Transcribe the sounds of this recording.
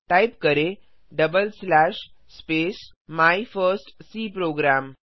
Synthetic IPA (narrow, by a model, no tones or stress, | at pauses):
ʈajpkəɾe | ɖəbəlslaʃspeːs | maifəɾsʈsiːpɾoːɡɾaːm